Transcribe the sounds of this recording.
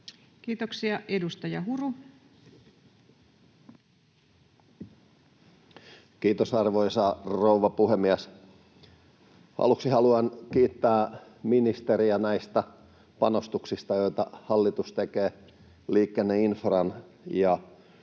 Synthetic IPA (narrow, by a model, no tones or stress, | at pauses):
kiːt̪oksiɑʔedust̪ɑjɑɦuru | kiːt̪osɑrʋoisɑrouʋɑpuhemːiæs | hɑ̰luksihɑluɑnkiːt̪ːæː | minist̪eɾiænæist̪æ | pɑnost̪uksist̪ɑjoit̪ɑhɑlːit̪ust̪ekeː | liːkːenːeinfrɑn | jɑ